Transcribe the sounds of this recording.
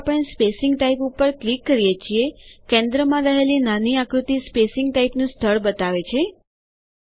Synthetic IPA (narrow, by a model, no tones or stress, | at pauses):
pəɳ̃espesɪŋɡʈaipupːəɾklikːəɾijet͡ʃʰiekẽnd̪ɾəmãɾəɦelinaniakɾut̪ispesɪŋɡʈaipnũst̪ʰəɭbət̪aʋet͡ʃʰe